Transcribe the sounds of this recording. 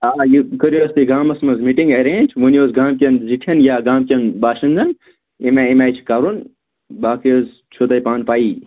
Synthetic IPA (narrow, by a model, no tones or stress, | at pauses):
aːjikəɾjoːst̪iɡaːmɐsmɐzmiʈĩŋɡɐɾẽːnʲd͡ʒʋonjoːzɡaːmkʲɐnziʈʰʲɐnjaːɡãːmkʲɐnbaːʃinzɐn | emaimʲaːjt͡ʃʰkaɾun | baːkjoz | t͡ʃʰoːt̪ɐjpaːnpaːiː